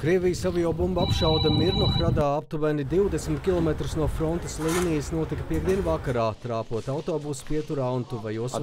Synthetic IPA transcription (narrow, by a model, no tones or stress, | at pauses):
kɾiɛvijsavajawbumbapʃawd̪ɐmiɾnoxɾad̪aːap̚t̪uvɛnid̪iwd̪esmʲit̪̚kʲilˠɔmɛt̪ɾusnuɔfɾɔnt̪ɐslˠiːnijəsnuɔt̪ikɐpiɛɡ̚d̪iɛnvakaɾaːt̪ɾaːpuɔt̪awt̪oːbuspiɛt̪uɾant̪uvajuɔs